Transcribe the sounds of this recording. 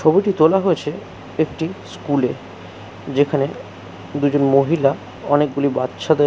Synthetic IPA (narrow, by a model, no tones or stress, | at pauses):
t͡ʃʰobiʈit̪olaɦoet͡ɕʰe | ekʈiskule | d͡ʑekʰane | d̪ud͡ʑonmoɦila | ɔnek̚ɡulibatːʃʰad̪e